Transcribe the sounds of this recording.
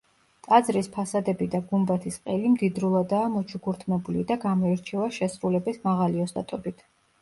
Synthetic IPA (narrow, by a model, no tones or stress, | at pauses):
t̪ʼad̪zɾispʰasad̪ɛbid̪aɡumbat̪ʰisqʼɛlimd̪id̪ɾulˠad̪aːmɔt͡ʃʰuɡuɾt̪ʰmɛbulid̪aɡamɔɛɾt͡ʃʰɛvaʃɛsɾulɛbɛsmaʁaliɔst̪ʼa̰t̪ʼɔbit̪ʰ